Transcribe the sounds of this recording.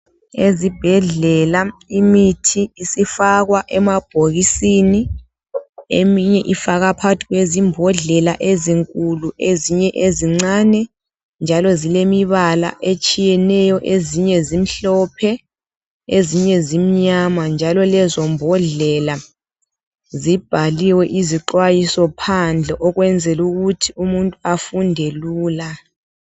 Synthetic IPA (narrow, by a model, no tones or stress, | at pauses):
ezib̥ʱɛɮɛlaimitʰiːsifaɣwaʔɛmab̥ʱoɣisini | emiɲɛʔifaɣapʰatʰiɣwezimbʱɔɮɛlaʔeziŋkʼuluʔeziɲɛʔeziŋ͡ǀaːnɛ | nd͡ʒʱalɔzilemiβala̰ʔet͡ʃʼijɛnɛjɔʔeziɲɛzim̩ɬɔpʰɛ | eziɲɛzim̩ɲamand͡ʒʱalɔlɛzɔmbʱɔɮɛla | zib̥ʱaliwɛʔiziǃwajisɔpʰand͡ɮʱɛʔɔɣwɛnd͡zʱɛluɣutʰiumuntʼuafundʱeluːla